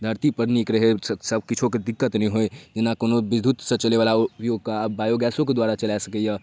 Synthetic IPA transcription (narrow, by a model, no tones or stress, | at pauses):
d̪ʱəɾt̪ipəɾnikɾəɦessəb̚ʱkit͡ʃʰoked̪ɪkːət̪nəĩɦoed͡ʒɪnːakonobid̪ʱut̪sə̃t͡ʃəleʋalaupjoɡ̚kabaːjoɡɛːsõked̪waɾat͡ʃəlasəkɛjə